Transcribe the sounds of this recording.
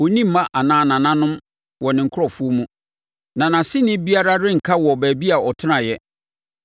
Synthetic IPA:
o˨nĩ˦m̩˨mã˦ʔa˨nãː˨˦˨nã˨nã˦nʊ̃˦m | wɔ˨nɪ̃˨ŋ̩˨kʰʊ˦ɔ˨fu˦o˦mũ˦ | nã˨nã˨sɪ˦nɪ̃˦bi˦a˦ɾa˦ɾɪ̃˦ŋ̩˨kʰa˦wɔ˨bæː˨bi˦a˨ɔ˨tʰɪ˦nã˨jɛ˦

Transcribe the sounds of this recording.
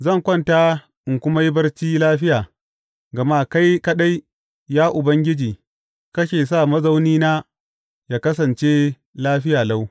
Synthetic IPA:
zɐ˦˨ŋkʷɐ˦˨nta˦ | ʔɪ˨ŋkʷʊ˦ma˦jbɐ˦rt͡ʃiː˦laː˦ɸɪ˦jaː˨ | ɡɐ˨maː˦ka˦jkɐ˦ɗa˦j | jaː˦ʔʊ˨bɐ˦ŋɡʲɪ˦d͡ʒiː˨ | kɐ˦ʃeː˨sa˦˨mɐ˦za˦wniː˦naː˦ | jaː˦˨kɐ˦s̬ɐ˨nt͡ʃe˦ | laː˦ɸɪ˦jaː˨la˦w

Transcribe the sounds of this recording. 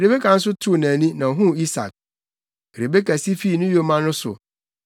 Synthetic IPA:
e˨ɾe˨be˦kʰa˨n̩˦s̬ʊ˦tʰu˦˨næ̃˨nĩ˦nã˨ɦʊ̃˦i˦sa̰˨k̚ | e˨ɾe˨be˦kʰa˨si˦fi˦˨nʊ̃˦jo˦mã˦nʊ̃˦sʊ̰˨

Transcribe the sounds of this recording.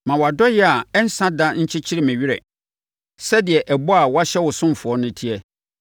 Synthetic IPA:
mã˨wɔ˨a˨dɔ˦jɛ˦a˨ɛ˦n̩˦sã˦dã˦ɲ̩˦t͡ɕʰɪ˦t͡ɕʰɪ˦ɾɪ˦mæ̃˨ɥi˦ɾɛ̰˨ | sɛ˦dɪ˨ɛ˨ʔɛ˨bɔ˦a˨wa˦ɕɛ˦wʊ˨sʊ̃˦m˨fʊ˨ɔ˦nʊ̃˦tʰi˦ɛ˦

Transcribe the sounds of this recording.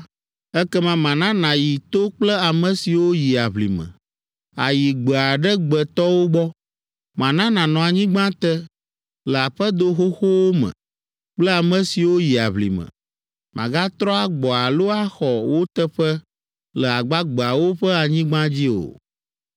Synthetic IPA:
ɛ˦kɛ˦mã˦mã˨nã˦nã˨ji˨t̪o˦k͡plɛ˦a˨mə̃˨si˨wo˦ji˨a˨βlḭ˨mə̰̃˨ | a̰˨ji˨ɡ͡bə˨a˨ɖɛ˦ɡ͡bə˨t̪ɔ˦wo˦ɡ͡bɔ˦ | mã˨nã˦nã˨nɔ̃˨a˨ɲĩ˦ɡ͡bã˦t̪ə˦ | lə˨a˨ɸə˦d̪o˦ɦo˦xo˦wo˦mə̰̃˨ | k͡plɛ˦a˨mə̃˨si˨wo˦ji˨a̰˨βlḭ˨mə̰̃˨ | mʔã̰˨ɡa˦t̪ɾɔ̃˦a˨ɡ͡bɔ˨a˨lo˦a˦xɔ˨wo˦t̪ə˦ɸɛ˦ | lə˨a˨ɡ͡ba˦ɡ͡bə˨a˨wo˦ɸɛ˦a˨ɲĩ˦ɡ͡bã˦d͡ʑi˦o̰˨

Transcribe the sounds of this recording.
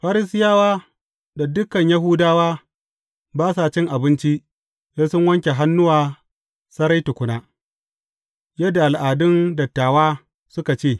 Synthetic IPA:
ɸa˦ɾɪ˦s̬ɪ˦jaː˦waː˦ | da˨dʊ˦kɐ˨ɲja˦ɦʊ˦daː˦waː˦ | baː˦saː˨t͡ʃɪ˦ŋʔa˨bɪ˦nt͡ʃi˦ʔ | jaː˦sʊ˦ŋwɐ˦ŋkʲe˨ɦa˦nːʊ˦waː˨ | sɐ˦ɾa˦jtʊ˨kʷʊ˨naː˦ | jɐ˦dːa˨ʔa˨lʔaː˨dʊ˦ndɐ˨tːaː˨waː˦ | sʊ˦ka˨t͡ʃeː˦˨

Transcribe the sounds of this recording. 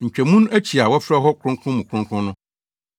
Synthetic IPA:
ɲ̩˨t͡ɕᶣæ˨mũ˦næ˦t͡ɕʰi˨a˨wɔ˦fɾɛ˦ɦɔ˦kʷʰʊ̃˦ŋ˦kʰʊ̃˦mũ˨kʰʊ̃˦ŋkʰɾʊ̃˦nʊ̃˦

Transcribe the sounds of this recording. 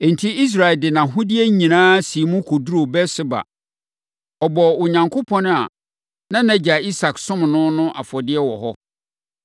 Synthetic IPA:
e˨n̩˨tʰi˦i˦s̬ɾa˨ɛ˨dɪ˨nã˨ɦʊ˦di˦e˦ɲĩ˨nãː˦si˨mʊ̃˦kʰo˨du˦ɾo˨bɛ˦sɪ˦ba̰˨ | ɔ˨bɔ˨ʊ˨ɲã˨ŋkʰʊ˦pʰɔ̃˦nʊ̃˦a̰˨ | nã˦næ̃˨d͡ʑa˨i˦sa˨ksʊ̃˦m˨nʊ̃˦nʊ̃˦ʔa̰˨fɔ˨dɪ˦ɛ˦wɔ̰˨ɦɔ˦

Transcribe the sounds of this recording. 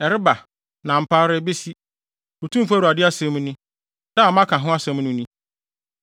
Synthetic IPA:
ɛ˨ɾɪ˦ba˨ | nã˨m̩˨pʰaː˦ɾɪ˦be˦si˦ | o˨tʰũ˦m̩˦fa˦ɾu˨a˨dɪ˦a˦sɛ̃˦m˦nʊ̃˦ | da˦˨mã˦kʰã˨ɦʊ̃˦a˦sɛ̃˦m˦nʊ̃˦nĩ˦

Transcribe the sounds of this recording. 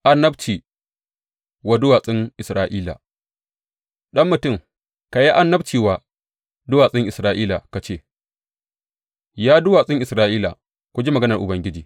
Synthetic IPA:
ʔa˨nːɐ˦bt͡ʃiː˨ | wa˨dʊ˦waː˨sʼɪ˦ŋʔɪ˨sɾaː˦ʔiː˦la̰˨ | ɗɐ˦mːʊ˨tʊ˦˨ŋ | ka˨ji˦ʔa˦nːɐ˦bt͡ʃiː˨wa˨ | dʊ˦waː˨sʼɪ˦ŋʔɪ˨sɾaː˦ʔiː˦la̰˨ka˨t͡ʃeː˦˨ | jaː˦dʊ˦waː˨sʼɪ˦ŋʔɪ˨sɾaː˦ʔiː˦la̰˨ | kʷʊ˦d͡ʒi˦mɐ˨ɡɐ˦nɐ˨rʔʊ̰˨bɐ˦ŋɡʲɪ˦d͡ʒiː˨

